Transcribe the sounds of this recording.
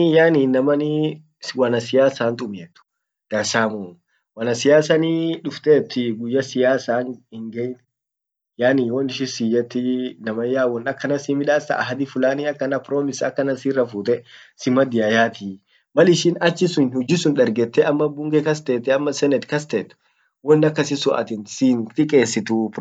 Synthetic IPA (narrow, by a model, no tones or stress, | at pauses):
jaːniːnːɐmɐni | wɐnɐsɪjaːsaːnt̪ʼʊmeːt̪ːʊ̥ | d̪̥ɐsaːmuː | wɐnɐsɪjaːsɐniᶑʊft̪eːt̪ːɪɡʊjːɐsɪjaːsaːŋhɪŋɡejt | jaːniːwɔnɪʃɪsid͡ʒɛt̪ːɪnɐmɐjaːwɔnɐkːɐnɐsimɪᶑaːsɐ̰ːɦɐd̪ifʊlaːniɐkːɐnɐpɾoːmɪsɐkːɐnɐsiːrːɐfuːt̪ɛ | sɪmɐd̪ɪjajaːt̪i | mɐlɪʃɪnɐt͡ʃːɪsʊnhʊd͡ʒɪsʊnᶑɐɾɡɛt̪ːɛʔɐmːɐbʊŋɡɛkɐs̬t̪eːt̪ːɛɐmːɐsɛnɛt̪kɐs̬t̪eːt̪ː | wɔnːɐkːɐsɪsʊʔɐ̰t̪ɪnsint̪ɪkʼeːsːɪt̪up